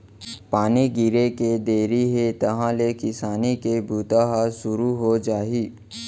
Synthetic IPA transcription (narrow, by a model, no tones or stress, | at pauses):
paːniɡɪɾeked̪eːɾiɦet̪ɐɦãlekɪsaːnikebʱuːt̪aɦasʊɾuɦod͡ʒaːiː